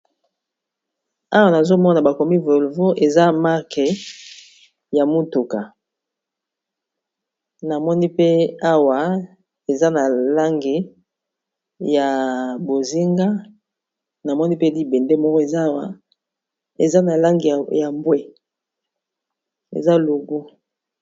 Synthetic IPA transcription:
a˦wa˨na˨zo˦mɔ˦na˨ba˨ko˨mi˦vo˨lvo˦ʔe˨za˦ma˦ʁke˨ | ja˨mu˦tu˨ka˨ | na˨mɔ˦ni˦pe˦a˦wa˨ | e˨za˦na˨la˦ŋɡi˨ | ja˨bo˨zi˦ŋɡa˦ | na˨mɔ˦ni˦pe˦li˦bɛ˨nde˦mɔ˦kɔ˦e˨za˦˨ | ḛ˨za˦na˨la˦ŋɡi˨ja˨mbwe˦ | ḛ˨za˦lu˨ɡu˦

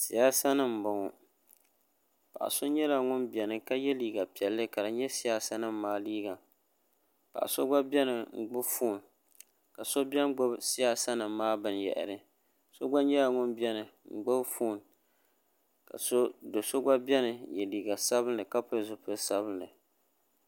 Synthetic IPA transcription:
si˨ja˦sa˦nɨ˦˨m̩˨bʊ˨ŋʊ˨ | pa̰˨ʔa̰˨so˦ɲɛ˦la˨ŋʊ˦nbi˨ɛ˨nɨ˦ka˦jɛ˦liː˨ɡa˨pi˨ɛ˨lːɨ˦ka˨dɨ˨ɲɛ˦si˦ja˨sa˦nɨ˦m˦maː˦liː˦ɡa˨ | pa̰˨ʔa̰˨so˦ɡ͡ba˦bʲɛ˦nɨ˨ŋ͡m̩˨ɡ͡bʊ˦bfuː˦˨n | ka˨so˦bɛ˦n˦ɡ͡bo˦bsi˦ja˨sa˦nɨ˨mː˦aː˦bɨ˨n˨jɛ̰˨ʔɨ̰˨ɾɨ˦ | so˦ɡ͡ba˦ɲɛ˦la˨ŋʊ˦nbɛ˦nɨ˨ŋ͡m̩˨ɡ͡bʊ˦bfuː˦˨n | ka̰˨so˦do˨so˦ɡ͡ba˦bʲɛ˦nɨ˨jɛ˨liː˨ɡa˨sa˦bɨ˦n˦lɨ˨ka˦pɨ˦ɾɨ˨zʊ˦pɨ˦sa˦bɨ˦nlɨ˨

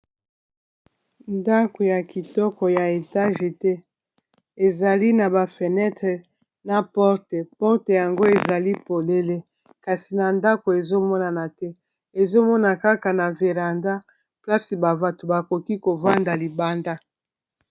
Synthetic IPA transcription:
nda˦ko˨ja˨ki˨tɔ˦kɔ˨ja˨e˨ta˦ʒe˨tɛ˦ | e˨za˨li˦na˨ba˨fe˨nɛ˦tʁɛ˨ | na˨pɔ˦ʁtɛ˨pɔ˦ʁte˨ja˨ŋɡo˦e˨za˨li˦po˨le˦le˦ | ka˨si˨na˨nda˦ko˨e˨zo˦mɔ˦na˨na˨tɛ˦ | e˨zo˦mɔ˦na˨ka˦ka˨na˨ve˨ʁa˨nda˦ | pla˦si˨ba˨va˨to˨ba˨ko˨ki˦ko˨va˦nda˨li˨ba˦nda˦

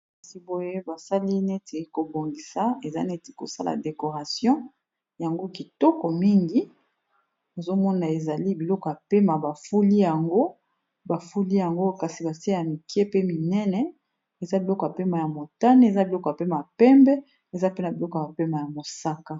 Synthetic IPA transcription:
a˦si˦bo˦je˦ba˨sa˦li˦ne˦te˨˦ko˨bo˨ŋɡi˨sa˨e˨za˦ne˦te̥˨ko̰˨sa˦la̰˨de˨ko˨ʁa˨sjɔ̃˦ | ja˨ŋɡo˦ki˨tɔ˦kɔ˨mi˦ŋɡi˨˦ | o˨zo˦mɔ˦na˨e˨za˨li˦bi˨lɔ˦kɔ˨ja˨pe˦ma˨ba˨fu˦li˦ja˨ŋɡo˦ | ba˨fu˦li˦ja˨ŋɡo˦ka˨si˨ba˨si˦e˦ja˨mi˨ke˦pe˦mi˨nɛ˦nɛ˨ | e˨za˦bi˨lɔ˦kɔ˨a˨pe˦ma˨ja˨mo˨ta˦ne˦e˨za˦bi˨lɔ˦kɔ˨ja˨pe˦ma˨ja˨pɛ˦mbɛ˦ | e˨za˦pe˦na˨bi˨lɔ˦kɔ˨ba˨pe˦ma˨ja˨mo˨sa˦ka˦

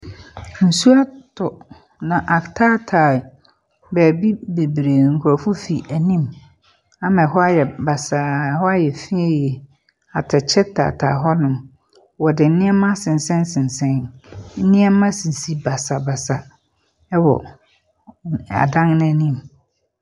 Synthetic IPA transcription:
n̩˨su˦a˦tʰɔ˨ | nã˨ʔa˨ktʰaː˦tʰaː˨ | bæː˨bi˦be˨bɾe˨ŋ̩˨kʰʊ˨ɾɔ˨fʊ˦fi˨ʔæ˨nĩ˦m | ã˨mɛ̃˨ɦɔ˦a˦jɛ˨ba˨sa˨hɔ˦a˦jɛ˨fĩ˦e˦jɛ˨ | a˨tʰa˨t͡ɕʰɛ˦tʰːa̰˨tʰa̰ː˨ɦɔ˦nʊ̃˨m | wɔ˨dɪ˨n̩˦nɪ̃˦ɛ˦mã˦sɪ̃˨n˨sɛ̃˦nsɪ̃˨nsɛ̃˦nn̩˦nɪ̃˦ɛ˦mã˦sĩ˨si˦ba˨sa˨ba˨sa˨ | ɛ˦wɔ̰˨ | a̰˨dã˦ŋñ˦˨nĩ˦m

